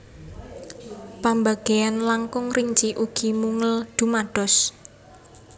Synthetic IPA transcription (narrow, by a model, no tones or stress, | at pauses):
pambaɡ̥eanlaŋkʊŋriɲt͡ʃiʔuɡ̥i̤muŋəld̪̥ṳmaɖ̥ɔ̤s